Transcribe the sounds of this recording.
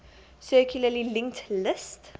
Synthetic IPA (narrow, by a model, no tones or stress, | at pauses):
søːkʰɪləlilɪŋt̪ʰlɪst̪